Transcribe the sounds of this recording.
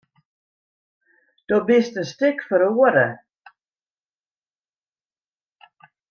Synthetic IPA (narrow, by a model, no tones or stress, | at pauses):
d̥obɪstənstɪkfɔɾəoəɾə